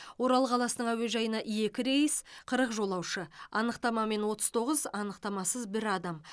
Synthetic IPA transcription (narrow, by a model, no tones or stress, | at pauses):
wo̞ɾɑlˠəqʰɑlˠɑsənəɴæwe̞ʒɑjənɑʔije̞kʲɪɾe̞jəsqʰəɾəqʒo̞lˠɑwʃəɑnəqt̪ɑmɑme̞nwo̞t̪ə̥zt̪ʰo̞ʁəzɑnəqt̪ɑmɑsəzbɪɾɑd̪ɑm